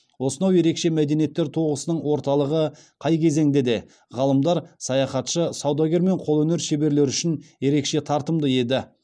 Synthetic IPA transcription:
wo̞sənɑwje̞ɾe̞kʃe̞mæd̪e̞nijet̪ːe̞ɾt̪ʰo̞ʁəsənəɴwo̞ɾt̪ɑlˠəʁə | qʰɑjkʲʰe̞ze̞ŋd̪e̞d̪e̞ | ʁɑlˠəmd̪ɑɾsɑjɑχɑt̪ʃəsɑwd̪ɑɡʲe̞ɾme̞ɴqʰo̞lˠɵne̞ɾʃe̞be̞ɾle̞ɾʏʃɪnje̞ɾe̞kʃe̞t̪ʰɑɾt̪əmd̪əe̞d̪ɪ

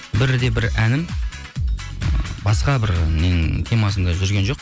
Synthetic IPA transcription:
bɪɾd̪e̞bɪɾænɪm | bɑsqɑbɪɾmeŋt̪ʰe̞mɑs̬ənd̪ɑʒʏɾɡʲe̞nʒoq

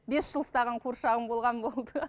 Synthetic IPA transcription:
be̞sʒ̥əlˠst̪ɑʁɑɴqʰoɾʃɑʁəmbo̞lˠʁɑnbo̞lˠd̪ə

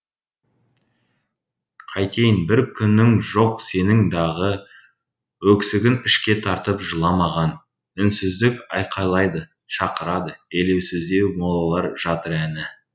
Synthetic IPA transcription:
qʰɑjt̪ʲʰe̞jɪnbɪɾkʲʰʏnːɪŋʒo̞qse̞nɪŋd̪ɑʁə | wɵksɪɡʲɪnɪʃkʲe̞t̪ʰɑɾt̪əpʒəlˠɑmɑʁɑn | ɪnsɪzd̪ɪkɑjqʰɑjlˠɑjd̪ə | ʃɑqəɾɑd̪əele̞wsɪzd̪e̞wmolˠɑlˠɑɾʒɑt̪əɾænɪ

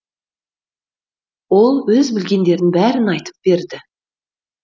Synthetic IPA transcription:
wo̞lˠwɵzbɪlɡʲe̞nd̪e̞ɾɪnbæɾɪnɑjt̪ə̥p̚b̥e̞ɾd̪ɪ

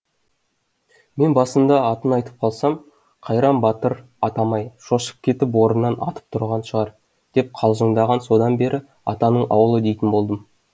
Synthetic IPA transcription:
me̞nbɑsənd̪ɑːt̪ənɑjt̪ə̥p̚qʰɑlˠsɑm | qʰɑjɾɑmbɑt̪əɾ | ɑt̪ɑmɑjʃoʃə̥p̚kʲʰe̞t̪ɪp̬wo̞ɾənːɑnʔɑ̰t̪ə̥p̚t̪ʰʊɾʁɑnʃəʁɑɾ | d̪̥e̞p̚qʰɑlˠʒəɴd̪ɑʁɑnso̞d̪ɑnbe̞ɾʔɪ | ɑ̰t̪ɑnəɴʔɑ̰wəlˠəd̪e̞jt̪ɪnbo̞lˠd̪əm

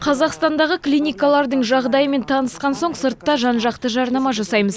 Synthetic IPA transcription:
qʰɑzɑqst̪ɑnd̪ɑʁəklʲijnʲijkalˠɑɾd̪əɴʒɑʁd̪ɑjəme̞nt̪ʰɑnəsqɑnso̞ɴsəɾt̪ːɑʒɑnʒɑqt̪əʒɑɾnɑmɑʒɑsɑjməz

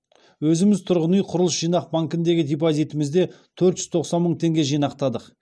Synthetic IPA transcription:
wɵzɪmɪzt̪ʰʊɾʁənijqʰʊɾəlˠəsʒ̥ijnɑq̚baŋkʲɪnd̪e̞ɡʲɪd̪ʲep̬ozijt̪ɪmɪzd̪e̞ | t̪ʰɵɾt̪ʒʏzt̪ʰo̞qsɑnməɴt̪ʰe̞ŋɡʲe̞ʒijnɑqt̪ɑd̪əq

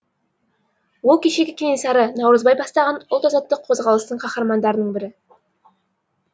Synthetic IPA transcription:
wolˠkʲʰeʃe̞ɡʲɪkʲʰenisɑɾənɑwɾəzbɑjbɑst̪ɑʁɑnʊlˠt̪ɑzɑt̪ːəqʰo̞zʁɑlˠəst̪əɴqʰɑχɑɾmɑnd̪ɑɾənəɴbɪɾɪ

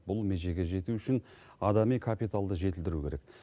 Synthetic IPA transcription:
bʊlˠmeʒe̞ɡʲe̞ʒe̞t̪uʏʃɪn | ɑd̪ɑmijkʰapijt̪alˠd̪əʒe̞t̪ɪld̪ɪɾukʲʰe̞ɾek

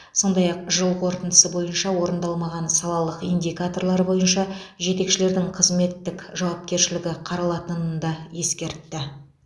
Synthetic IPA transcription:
so̞nd̪ɑjɑq̚ʒəlˠqʰo̞ɾt̪ənd̪əsəbo̞jənʃɑwo̞ɾənd̪ɑlˠmɑʁɑnsɑlˠɑlˠəqijnd̪ʲijkat̪o̞rɾlˠɑɾbo̞jənʃɑʒe̞t̪e̞kʃɪle̞ɾd̪ɪŋqʰəzme̞t̪ːɪkʲʒɑwɑp̚kʲe̞ɾʃɪlɪɡʲɪqʰɑɾɑlˠɑt̪ənənd̪ɑje̞skʲe̞ɾt̪ːɪ

